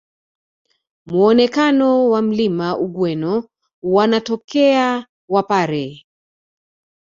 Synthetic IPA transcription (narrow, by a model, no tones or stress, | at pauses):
muɔnɛkanɔwam̩limaʔuɠwɛnɔ | wanatɔkɛa | wapaɾɛ